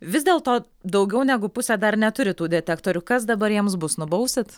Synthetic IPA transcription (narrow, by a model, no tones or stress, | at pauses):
ʋʲɪzd̪ʲeːlˠt̪oː | d̪ɐʊɡʲɛʊnʲæːɡʊpʊsʲæːd̪ɐrnʲɛt̪ʊɾʲɪt̪uːd̪ʲɛt̪ʲɛkt̪oːɾʲʊkɐs̬d̪ɐbɐɾjiɛmsbʊsnʊbɐʊsʲɪt̪